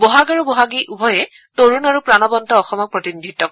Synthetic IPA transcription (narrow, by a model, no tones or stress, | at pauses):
bɔɦaɡaɹubɔɦaɡiʔubʱɔjɛ | toɹunaɹupɹanɔbɔntɔːxɔmɔk̚pɹɔtinidʱitːɔk